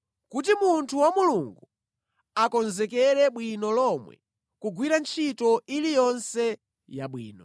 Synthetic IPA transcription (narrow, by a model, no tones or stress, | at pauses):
kut̬imuntʰuwamuluŋɡu | akɔnzɛkɛɾɛɓwinɔlɔmwɛ̰ | kuɡwiɾant͡ʃʰitɔʔilijɔnsɛ | jaɓwḭːnɔ